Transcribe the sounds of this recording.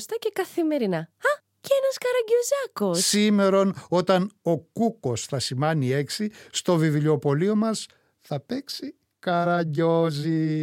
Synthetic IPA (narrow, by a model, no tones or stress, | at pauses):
st̪ɐcekɐθime̞ɾinɐɐ | ceenɐskɐɾɐɟozɐkossime̞ɾo̞no̞t̪ɐno̞kuko̞sθɐsimɐnie̞ksist̪o̞viviʎo̞po̞lio̞mɐs | θɐpe̞ksi | kɐɾɐɟozi